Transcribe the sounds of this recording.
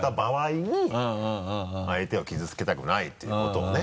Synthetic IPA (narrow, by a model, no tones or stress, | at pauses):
t̪abaβaiɲ̟ĩ | ait̪e̞o̞kʲizɨt͡sɨ̥ke̞t̪akɯ̟nait̪ːejɯ̰ko̞t̪o̞̰ːne